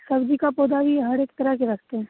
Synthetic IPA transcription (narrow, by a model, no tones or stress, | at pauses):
sɐbd͡ʒikapoːd̪aʋiɦɐɾeːkt̪ɐɾəɦkeɾɐkʰt̪eɦɛ̃